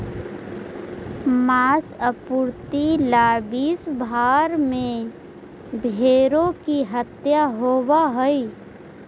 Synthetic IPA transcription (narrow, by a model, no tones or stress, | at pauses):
maːsəpuɾt̪ilaːbiːsbʱaːɾmẽ | bʱeːɾõkiɦət̪jaɦoːwaɦəi